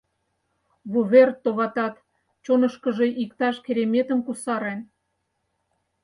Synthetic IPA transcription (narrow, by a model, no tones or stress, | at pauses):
βuβert̪ːoβɑt̪ɑt̪ | t͡ɕonə̆ʃkə̆ʒeʔikt̪ɑʃkeɾemet̪ə̆mkusɑɾen